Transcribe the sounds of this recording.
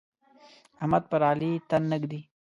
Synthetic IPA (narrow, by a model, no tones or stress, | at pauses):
ɐmɐd̪̚pɐɾaːlit̪ɐnːəɡd̪i